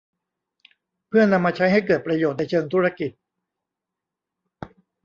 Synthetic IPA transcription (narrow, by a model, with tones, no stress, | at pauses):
pʰɯ˥˩ɐna˧mːaː˧t͡ɕʰa˦˥jha˥˩jkɤː˨˩t̪̚pɾa˧joː˨˩t̪̚na˧jt͡ɕʰɤː˧ŋt̪ʰu˦˥ɾa˧ki˨˩t̪̚